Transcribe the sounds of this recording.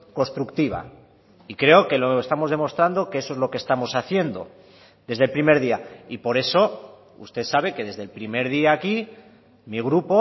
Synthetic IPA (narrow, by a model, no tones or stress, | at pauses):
ko̞nst̪ɾukt̪iβ̞a̰ | ikɾe̞o̞ke̞loest̪amo̞zð̞e̞mo̞st̪ɾand̪o̞keesoe̞zlo̞kest̪amo̞saθje̞nd̪o̞̰ | d̪e̞zðe̞lpɾime̞ɾðiaipo̞ɾe̞so̞ | ṵst̪e̞θsaβ̞e̞ke̞ðe̞zðe̞lpɾime̞ɾðiaːki | miɣ̞ɾupo̞